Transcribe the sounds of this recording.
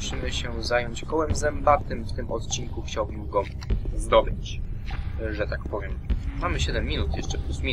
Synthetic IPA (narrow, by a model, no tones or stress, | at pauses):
ɕimɘɕɛzajɔɲt͡ɕkɔwɛmzɛmbat̪ɘmft̪ɘmʔɔ̰t̪t͡ɕiŋkuxt͡ɕawbɘmɡɔ | zd̪ɔbɘt͡ɕ | ʐɛt̪ak̚pɔvʲjɛmmamɘɕɛd̪ɛmːinut̪jɛʂt͡ʂɛplusmʲi